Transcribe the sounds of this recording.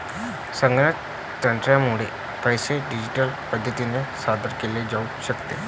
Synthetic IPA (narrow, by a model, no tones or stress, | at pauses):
səŋɡna | t̪əɳʈɾjamuɽ̤e | pəjseɖid͡ʑiʈəlpəd̪ʱjət̪inesad̪əɾkeled͡zauɕəkt̪e